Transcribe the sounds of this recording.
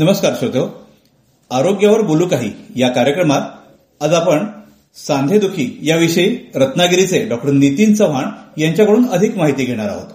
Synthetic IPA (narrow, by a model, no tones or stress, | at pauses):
nəməskaɾɕət̪o | aɾoɡjaʋəɾboluːkaɦḭːjakaɾjəkɾəmat̪ | əd͡zapəɳ | sand̪ʱed̪ukʰiːjaʋiɕiɾət̪naɡɾit͡seɖɔk̚ʈəɾnit̪iːnt͡səʋ̤aɳjaɲt͡ɕjakəɽuːnəd̪ʱikmaɦit̪iːɡʱeɽ̃aɾa̰ɦo̰t̪